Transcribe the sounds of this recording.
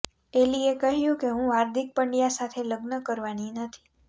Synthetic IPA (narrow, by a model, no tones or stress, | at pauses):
ʈeliekəɦjũkeɦũaɾd̪ʱik̚pəɳɖijasat̪ʰeləɡnəkəɾʋaninət̪ʰi̥